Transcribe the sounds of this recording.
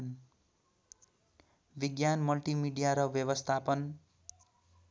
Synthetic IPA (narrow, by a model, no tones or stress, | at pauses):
n | biɡjanmʌlʈimiɖijaɾʌbjʌβʌst̪ʰapʌn